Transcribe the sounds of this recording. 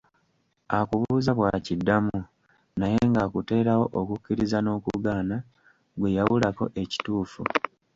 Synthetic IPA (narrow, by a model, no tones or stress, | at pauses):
akuβuːzaβwaːcidːamu | najeŋɡaːkute̞ːɾawo̞ʔokucːiɾizano̞ːkṵɡaːna | ɡwe̞jaβulako̞̰ʔe̞ci̥tuːfu